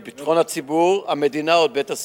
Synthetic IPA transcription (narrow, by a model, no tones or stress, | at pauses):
bit̪χo̞nhat͡sibuʁamed̪inaod̚betas